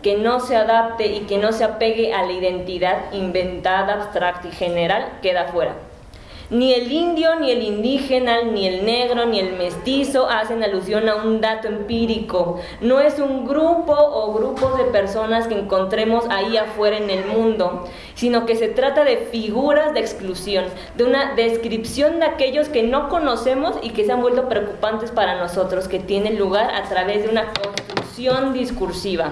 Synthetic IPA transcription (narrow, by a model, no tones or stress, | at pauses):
ke̞no̞seaðap̚t̪eike̞no̞seape̞ɣeʔalaiðe̞nt̪iðaðimbe̞nt̪aðaaβst̪ɾak̚t̪aixe̞neɾalkeðafwe̞ɾa̰ | nielind̪jo̞nie̞lind̪ixenanielneɣɾo̞nie̞lme̞st̪iso̞ʔasenalus̬jo̞naund̪at̪oempiɾiko | no̞e̞suŋɡɾupo̞ʔːɣɾupo̞zðe̞pe̞ɾso̞naskeːŋko̞nt̪ɾe̞mo̞saiafwe̞ɾaene̞lmũnd̪o̞ | sino̞ke̞se̞t̪ɾat̪aðe̞fiɣuɾazðeeksklusjo̞n | d̪eunaðe̞skɾipsjo̞nd̪eake̞ʝo̞ske̞no̞ko̞no̞se̞mo̞sike̞seambwelt̪o̞pɾe̞okupant̪e̞spaɾano̞so̞t̪ɾo̞ske̞t̪je̞nenluɣaɾa̰t̪ɾaβe̞zðeunako̞nst̪ɾuksjo̞nd̪iskuɾsiβ̞a